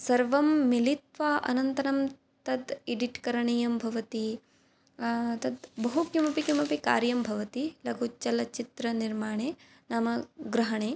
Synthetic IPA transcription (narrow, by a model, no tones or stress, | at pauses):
sɐɾʋɐmːilit̪ʋɐʔɐ̰nɐnt̪ɐɾɐm | t̪ɐd̪eɖiʈkɐɾɐɳijɐmbʱɐʋɐt̪i | t̪ɐd̪bɐɦukjumɐpikjumɐpika̰ːɾjɐmbʱɐʋɐt̪ilɐɡʱut͡ʃɐlɐt͡ʃit̪ɾɐniɾmaːɳeː | naːmɐɡɾɐɦɐɳeː